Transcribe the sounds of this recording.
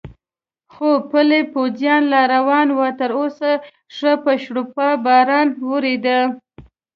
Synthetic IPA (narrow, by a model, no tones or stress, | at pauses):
xopəlepozjɑnlɑɾawɑnwɑt̪əɾosa | ʂəpəʃɽupɑbɑɾɑnwəɾid̪ə